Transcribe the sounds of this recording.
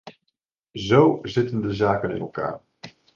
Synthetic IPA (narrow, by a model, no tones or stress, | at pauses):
zowzɪtəndəzaːkənɪ̰nɛ̰lˠka̰ːɹ